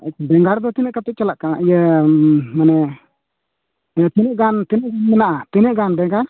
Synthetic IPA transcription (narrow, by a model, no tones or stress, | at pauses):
bɛŋɡaɾd̪ɔt̪inɛʔkat̪ɛt͡ʃɛlaʔkana̰ʔjə | manɛ | t̪inɛʔɡant̪inɛʔɡanmɛnaʔat̪inɛʔɡanbɛŋɡaɾ